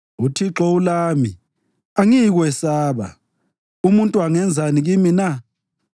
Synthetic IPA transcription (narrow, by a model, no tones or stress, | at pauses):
utʰiǁɔulaːmi | aŋiɣwɛsaːβa̰ | umuntʼuaŋɛnd͡zʱaniɣimina